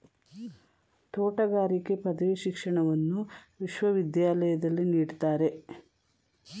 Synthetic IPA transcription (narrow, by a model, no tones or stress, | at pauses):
t̪oːʈɐɡaːɾike̞pɐd̪ɐʋiʃikʂɐɳɐʋɐnːuʋiʃʋɐʋid̪jaːlɐjɐd̪ɐlːiniːɽt̪aːɾe̞